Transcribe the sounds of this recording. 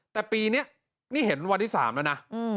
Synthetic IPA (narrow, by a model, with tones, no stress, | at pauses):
t̪ɛː˨˩piː˧ni˦˥˩ɐ | niː˥˩ɦe˩˦nwa˧nt̪ʰiː˥˩sa̰ː˩˦mla˦˥˩na˦˥˧